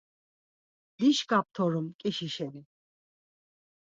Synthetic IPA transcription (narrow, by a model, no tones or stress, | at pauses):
liʃkʼap̚t̪ʰɔɾumkʼiʃiʃɛni